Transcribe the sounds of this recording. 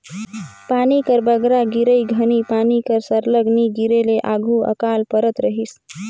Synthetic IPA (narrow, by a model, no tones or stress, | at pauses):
panikəɾbəɡɾaɡiɾəjɡʱənipanikəɾsəɾləɡniɡiɾeleʔaɡʱuə̰kalpəɾət̪ɾəɦis